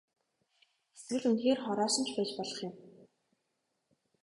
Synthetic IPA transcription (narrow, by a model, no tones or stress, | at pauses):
eswɘ̆ɮunxeːrχɔɾɔːʃə̆nt͡ɕʰpæːt͡ɕpɔɮɞ̆χjʊ̆m